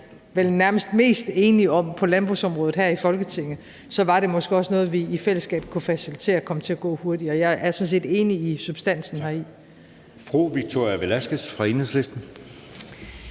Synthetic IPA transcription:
ʋelnæɐməsd̥me̝̰ːsd̥e̝ːniɒ̽m̰pʰɒ̽lænb̥ʁṵsɒ̽mʁɔ̽ːð̩ˠɦæɐifɒ̽lɡ̥ət͡sʰe̝ŋ̰ð̩ˠ | sɒ̽ʋɑ̈ɾ̥e̝mɒ̽sɡ̥əɒ̽snɔ̽ːð̞̩ˠʋiifel̰əsɡ̥ɛ̰ːb̥kʰufæsilit͡sʰe̝̰ːɐkʰɒ̽mət͡sʰe̝æɡ̥ɔ̰̽ːho̝ɐd̥iɒjɑ̈ɪʔæɐsɒ̽ns̬e̝̰ːd̥e̝ːniːsub̥sd̥æn̰sn̩ɦɑi | fʁo̰ʋiɡ̥̚t͡sʰo̝ɐ̰jɐʋelæsɡ̥əsfʁɑ̈e̝nesle̝sd̥n̩

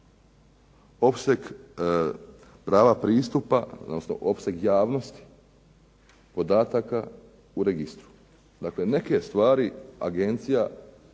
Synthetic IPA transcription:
o̞psek | pɾaːʋapɾiːst̪upao̰d̪nosno̰ʔo̞pse̞ɡjaːʋno̞st̪i̥ | po̞d̪aːt̪aka | uɾeɡist̪ɾu̥ | d̪akle̞ne̞ke̞st̪ʋaːɾia̰ɡe̞nt̪sija

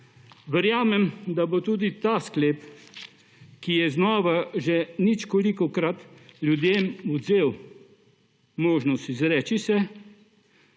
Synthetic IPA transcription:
ʋəɾjaːmɛmd̪abot̪uːd̪it̪aːskleːp | kijɛznɔːʋaʒɛnit͡ʃkolikɔkɾat̪ljud̪jeːmud̪zeːw | moːʒnɔst̪izɾɛːt͡ʃisɛ

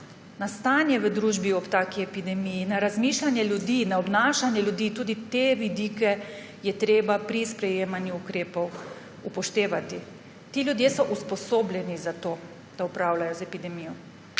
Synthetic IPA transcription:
nast̪aːnjɛʋəd̪ɾuʒbiɔpt̪aːkiɛpid̪ɛmijinaɾazmiːʃlanjɛljud̪inaɔbnaːʃanjɛlʲjud̪iːt̪uːd̪it̪eʋid̪iːkɛ | jɛt̪ɾeːbapɾispɾɛjeːmanjuukɾeːpɔw | upɔʃt̪eːʋat̪i | t̪iːljud̪jeːsɔʔuspɔsoːblʲɛnizat̪oː | d̪̥aupɾawlajɔzɛpid̪ɛmijɔ

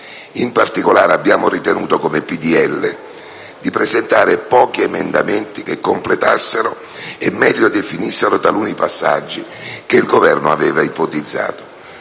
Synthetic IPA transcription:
impart̪ikolaːɾeabːjaːmʊrit̪enuːt̪okomepid̪iɛlːe | d̪ipɾezent̪aːɾɪpɔːk̟iemend̪a̰mɛnt̪ik̟ekːomplet̪asːeɾʊ | emːɛʎːod̪efinisːeɾʊt̪aluːnipasːa̰d͡ʒːikeilɡovɛrnʊa̰vɛːvaipot̪id̪zːa̰ːt̪o̥

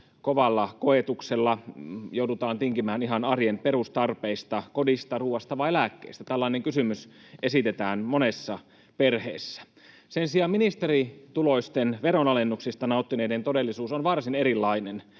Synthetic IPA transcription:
koʋɑlːɑkoet̪ukselːɑjoudut̪ɑːnt̪iŋkimæːniɦɑnɑrjenperust̪ɑrpeist̪ɑkodist̪ɑruːɑst̪ɑʋɑielækːḛist̪æt̪ælːɑineŋkysymys | ʔesit̪et̪æːnmonesːɑ | perhḛːsːæ̥ | sensiɑːminist̪eɾit̪uloist̪enʋeɾonɑlenːuksist̪ɑnɑˑut̪ːineident̪odelːisuːsonʋɑrsineɾilːɑinen

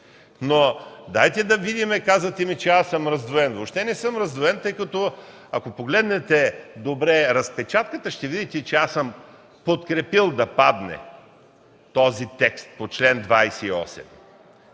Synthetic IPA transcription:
nod̪ajt̪ɛd̪ɐvid̪imɛkazvət̪ɛmit͡ʃɛasəmɾɐzd̪voɛnvopʃt̪ɛnɛsəmɾɐzd̪voɛnt̪ɤjkɐt̪ɔ | ɐkopoɡlɛd̪nɛt̪ɛd̪obɾɛɾɐspɛt͡ʃat̪kət̪əʃt̪ɛvid̪it̪ɛt͡ʃɛasəm | pot̪kɾɛpilˠd̪ɐpad̪nɛ̰ | t̪ɔzit̪ɛkst̪̚pot͡ʃlɛnd̪vajsɛiɔ̰sɛ̰m

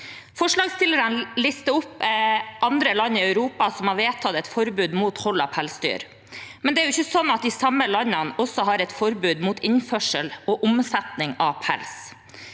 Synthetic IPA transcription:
fɔʂɭɑːɡst̪ɪləɾənlɪst̪əʊpːʔɑnd̪ɾəlɑnːɪœʉɾuːpɑsɔmhɑɾʋeːt̪ʰɑt̪ɛt̪fɔɾbʉːd̪muːt̪hɔlɑpʰælsd̪y̰ːɾ | mɛnd̪ɛæɾjʊɪçːəsɔnːɑt̪̚d̪ɪsɑməlɑnːənɔsɔɦɑɾɛt̪fɔɾbʉːd̪muːt̪ɪnfœʂəlɔːʔʊmsɛt̪nɪŋɑʋpʰæ̰ls

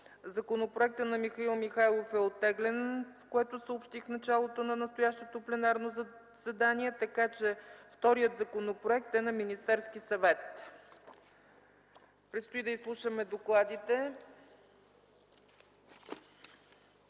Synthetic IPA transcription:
zɐkonopɾoɛk̚t̪ənɐmixɐilˠmixajlˠofɛot̪ːɛɡlɛnskoɛt̪osəopʃt̪ifnɐt͡ʃalˠot̪onɐnɐst̪ojaʃt̪ot̪oplɛnaɾno | sɛd̪aniɛt̪ɐkat͡ʃɛft̪ɔɾijət̪zɐkonopɾoɛk̚t̪ɛnɐminist̪ɛɾsk̟isɐvɛt̪ | pɾɛt̪st̪oid̪əislˠuʃəmɛd̪oklˠad̪it̪ɛ

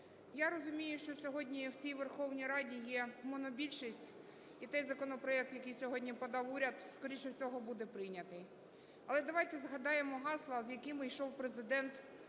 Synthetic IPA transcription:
jaɾɔzʊmʲijʊʃt͡ʃɔsʲɔɦɔdʲnʲiwt͡sʲijʋerxɔwnʲijɾɑdʲijɛmɔnɔbʲilʲʃisʲtʲ | it̪ɛjzɐkɔnɔpɾɔɛk̚t̪jɐkɪjsʲɔɦɔdʲnʲipɔd̪ɑwuɾʲɐd̪skɔɾʲiʃt͡ʃɔwsʲɔɦɔbud̪ɛpɾɪjnʲɐt̪ɪj | ɐlˠɛd̪ɐʋɑjt̪ɛzɦɐd̪ɑjemɔɦɑslˠɐzjɐkɪmɪjʃɔwpɾezɪd̪ɛnt̪

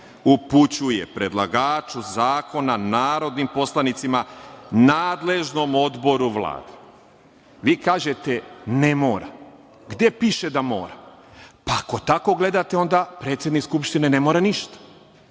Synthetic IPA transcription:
uput͡ɕuje̞pɾe̞d̪la̰ɡaːt͡ʃuzaːko̞nanaːɾo̞d̪nimpo̞slˠanit̪simanaːd̪le̞ʒno̞mo̞d̪bo̞ɾuʋlˠa̰ːd̪e̥ | ʋiːkaːʒe̞t̪ene̞moːɾa | ɡd̪je̞piʃe̞d̪amo̰ːɾa | paako̞t̪ako̞ɡle̞d̪at̪eo̞nd̪apɾe̞ːt̪sje̞d̪nikskupʃt̪ine̞ne̞moːɾaniʃt̪ḁ

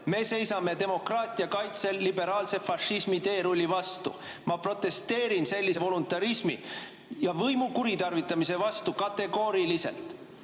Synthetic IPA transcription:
me̞ːse̞jsɑme̞t̪e̞mo̞krɑːt̪ˑiɑkɑjt̪se̞lːibe̞ɾɑːlse̞fɑʃismit̪e̞ːɾulʲːivɑst̪ṵ | mɑpro̞t̪ːˑe̞st̪e̞ːɾinse̞lʲːisevo̞lunt̪ːˑɑɾismḭ | jɑvɤjmukuɾit̪ɑrvit̪ˑːɑmise̞vɑst̪ukɑt̪ːe̞ɡo̞ːɾilise̞̰lt̪ˑ

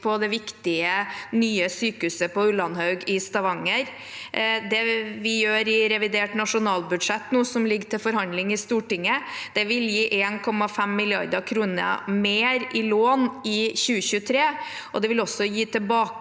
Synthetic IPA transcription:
pʰɔd̪ɛʋɪkt̪ɪənyːəsyːkʉsəpɔʉlɑnhɑʉɡɪst̪ɑʋɑŋːəɾ | d̪ɛʋɪjøːɾɪɾɛʋɪd̪eːʈnɑʂʊnɑːlbʉd̪ʂɛt̪ːnuːsɔmlɪɡt̪ʰɪlfɔɾhɑnd̪lɪŋɪst̪uːʈɪŋːəd̪̥ɛʋɪljiːʔeːnkʰɔmːɑfɛmːɪlɪɑ̰ɾd̪əkʰɾuːnə̰meːɾʔɪloːnɪçʉːəçʉːət̪ʰɾeːʔɔd̪ɛʋɪlɔsːɔjiːt̪ʰɛlbɑːk

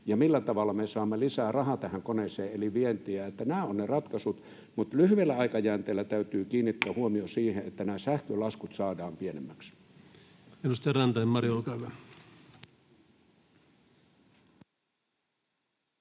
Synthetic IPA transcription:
jɑmilːæt̪ɑʋɑlːˑɑmesɑːmːelisæːrɑhɑt̪æhæŋkoneseːeliʋient̪iæet̪ːænæːonnerɑt̪kɑsut̪ | mut̪lyhyʋelːæɑikɑjæːnt̪eːlːæt̪æyt̪yːkiːnːit̪ːææhuomiosiːheet̪ːænæːsæhkølɑskut̪sɑːdɑːmpienemːæks | elust̪jɑrɑnt̪ɑimmɑrjolkɑʋɑ

